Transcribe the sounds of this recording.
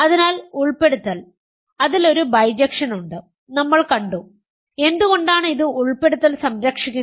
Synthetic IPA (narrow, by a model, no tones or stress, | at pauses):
ɐðinaːluɭpe̞ɽut̪ːɐl | ɐðilo̞ɾubɐjd͡ʑɐkʂɐnuɳɖɨ | nɐmːɐɭkɐɳɖu | e̞nd̪uɣo̞ɳɖaːɳɨiðɨuɭpe̞ɽut̪ːɐlsɐmɾɐkʂikʲːu